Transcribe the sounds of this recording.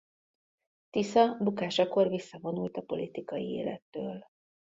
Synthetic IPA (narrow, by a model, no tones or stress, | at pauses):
t̪isɒbukaːʃɒko̞rvisːɒvo̞nult̪ɒpo̞lit̪ikɒjḭḛːlɛ̰t̪ːøːl